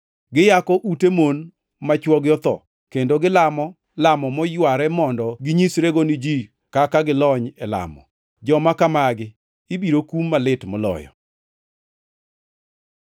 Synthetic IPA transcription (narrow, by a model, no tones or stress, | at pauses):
ɡɪjakɔʔutemon | mat͡ʃwɔɡjɔt̪ɔ̰ | kendoɡɪlamɔ | lamɔmɔjwaɾɛmɔndɔɡɪɲisɾeɡonɪd͡ʒi | kakaɡɪlɔɲɛla̰mɔ̰ | d͡ʒɔmakamaɡɪ | ibiɾokumːalɪtmɔlɔ̰jɔ̰